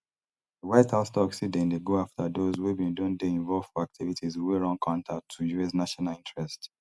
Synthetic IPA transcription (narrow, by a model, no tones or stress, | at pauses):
dəwaɪtʰastɔksidɛ̃ndeɡoaftʰadozwebĩndõndeĩɱvɔlv̥fɔak̚tʰivitʰizweɹɔ̃nkʰãntʰatʰujuesnaʃɔnalĩntɹɛst